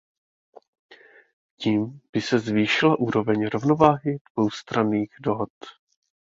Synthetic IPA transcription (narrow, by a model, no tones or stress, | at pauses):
ciːmb̥ɪsɛzviːʃɪlaʔuːɾo̞vɛɲɾo̞vno̞vaːɦɪd̥vo̞wst̪ɾaniːɣdo̞ɦot̪